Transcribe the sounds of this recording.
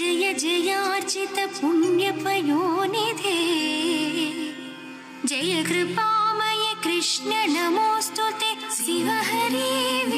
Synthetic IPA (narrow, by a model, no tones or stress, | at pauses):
ɐjɐd͡ʒɐjaːɾt͡ʃit̪ɐpunjɐpɐjoːnid̪ʱe | d͡ʒɐjɐkɾɪpaːmɐjekɾɪʂnɐnɐmoːst̪ut̪esiʋɐɦɐɾiːʋ